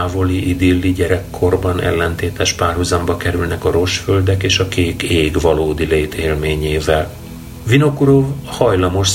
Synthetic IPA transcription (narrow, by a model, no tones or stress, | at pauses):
vo̞liʔid̪ilːiɟɛɾɛkʰːo̞rbɒnɛ̰lːɛnt̪eːt̪ɛʃpaːrhuzɒmbɒkɛɾylnɛkɒɾo̞ʃfø̞ld̪ɛkeːʃɒkeːkeːɡvɒloːd̪ileːt̪ʰeːlmeːɲeːvɛl | vino̞kuɾovhɒjlɒmo̞ʃ